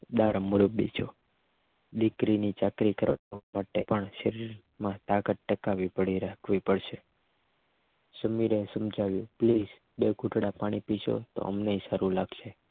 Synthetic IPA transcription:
d̪aɾmʊɾəbit͡ʃʰo | ɗ̪ikɾinit͡ʃakɾikəɾamaʈepəɳʃəɾiɾ | mãt̪akət̪̚ʈəkaʋipəɽiɾakʰʋipəɽʃe | səmiɾesəmd͡ʒaʋjũpliz | beɡʱuʈɽapaɽ̃ipiʃo̰t̪o̰ə̰mneisaɾũlaɡʃe

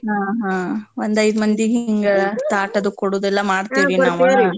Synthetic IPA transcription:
ɦaːɦãːʋond̪ɐjd̪umɐnd̪iɦiiŋɡɐt̪aːʈɐd̪ukoɽoːd̪ɛlːɐmaːɖt̪iːʋinaːʋaɾi

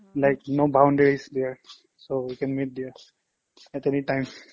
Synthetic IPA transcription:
lajknobãʊ̃nɖeɹisd̪ɛɹ | sowikɛ̃nmit̚d̪ɛɹ | ɛtɛniʈãjm

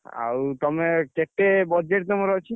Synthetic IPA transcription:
a̰wt̪ɔmekeʈːebɔd͡ʒeʈt̪ɔmeɾɔt͡ʃʰi

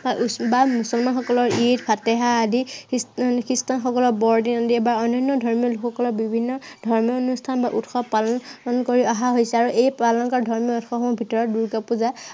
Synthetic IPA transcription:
baʔbamusɔlmanxɔkɔlɔɹitpʰatɛɦaːdi | kɹistanxɔkɔlɔɹbɔɹdinadiɛbaɔnɔnːɔdʱɔɹmijɔlukʰɔkɔlɔbibʱinːɔdʱɔɹmijɔɔnustʰanbaʔutxɔpalɔnnkoɹiɔɦaɦojsɛaɹuʔejpalɔnkɔɹdʱɔɹmjɔutxɔɔmɔbʱitɔɹɔt̚duɹkapuza

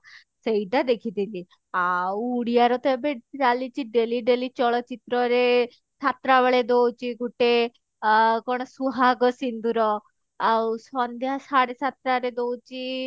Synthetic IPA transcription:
sejʈad̪ekʰit̪ili | awːɽijaɾɔt̪ɔbeiɾalit͡ʃiɖeliɖelit͡ʃɔɭɔt͡ʃit̪ɾɔɾe | sat̪ɾaʋaɭed̪owt͡ʃiɡuʈe | kɔɽ̃ɔsuɦaɡɔsind̪uɾɔ | awsɔnd̪jasaɽesʰat̪ɾaɾed̪owt͡ʃi

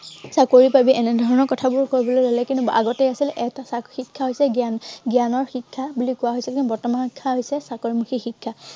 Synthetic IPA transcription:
sakoɹipabiʔɛnɛdʱɔɹɔnɔɹkɔtʰabʊɹkoɹibɔlojlolɛkĩntua̰ɡɔtɛjasilʔɛtasaxikʰːaɦojsɛɡɡijanɔɹxikʰːabulikʊwaɦojsilkinbɔɹtɔmanxikʰːaɦojsɛsakoɹimuxixikʰːa

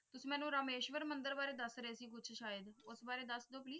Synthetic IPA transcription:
t̪ʊsiːmɛ̃ːnũːɾəmeːʃʋəɾmənd̪əɾbaːɾeːd̪əsɾəeːsiːkʊt͡ʃʰʃaːjəd̪ʊsbaːɾeːd̪əsd̪oːpliː

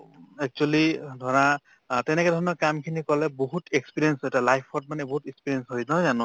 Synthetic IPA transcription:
ɛk̚t͡ʃualidʱɔɹa | tɛnɛkɛdʱɔɹnɔkamkʰinikɔlɛboɦutekspiɹiɛnsɛtalajpʰɔt̚manɛboɦutɛkspiɹiɛnsɦojnɔzanʊ

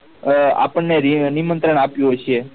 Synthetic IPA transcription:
a̰pəɳnːeɾnimənt̪ɾəɳapjũɦojʃʰe

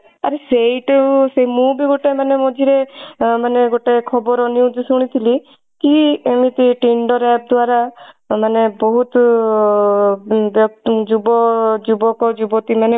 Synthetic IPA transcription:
aɾeseiʈseɦimũbʱiɡoʈemanemod͡ʒʱiɾemaneɡoʈekʰɔbɔɾɔnjuud͡ʒsuɽ̃it̪ʰili | kiemit̪iʈiɳɖɔɾɛp̚d̪waɾa | manebɔɦut̪ | bjɔkd͡ʒubɔd͡ʒubɔkɔd͡ʒubɔt̪imane

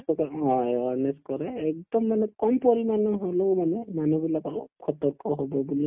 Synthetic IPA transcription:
kɔkɔɔ̃ɔnest̚kɔɾɛːk̚d̪ɔmːanɛkɔmpɔɹimanɔɦolomanɛmanubilakɔlo̰pkʰɔt̪ɔɹkɔɦobɔbuli

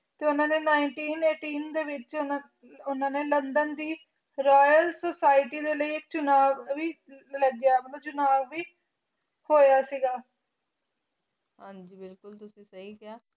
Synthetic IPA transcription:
t̪eːʊnãːneːnaːɪɳʈiːneːʈiːnd̪eːʋɪt͡ʃna | ʊnãːneːlənd̪ənd̪iː | ɾɔːjəlsoːsaːɪʈiːd̪eːləiːɪk̚t͡ʃʊnaːʋʋiː | ləɡjaːmət̪lːt͡ʃʊnaːʋʋiː | hoːjaːsiːɡaː | ɦãːɲd͡ʒiːbɪlkʊlt̪ʊsĩːsəɦiːkɪaː

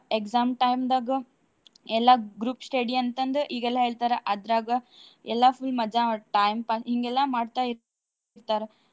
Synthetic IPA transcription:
eksaːmʈɐjmd̪aːɡɐ | ɛlːaɡɾuːpsʈeːɖiɐnt̪ɐnd̪uʔiːɡɛlːaɦeːɭt̪aːɾeʔɐd̪ɾaːɡɐɛlːaɐpʰulmɐd͡ʒaʈɐjmpaːsɦiŋɡɛlːamaːɖt̪ai | ɾt̪aːɾe

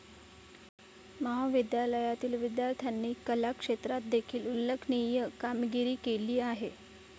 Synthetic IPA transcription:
məɦaʋid̪jaləjat̪iːlʋid̪jaɾt̪ʰjanːiːkəlakʂet̪ɾat̪̚d̪ekʰiːlulːəkʰnijəkamɡiɾiːkeliːaɦe

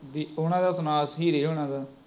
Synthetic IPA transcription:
d̪iːoːnãːd̪aːsʊnaːsɦiːɾeːɦoːnãːd̪aː

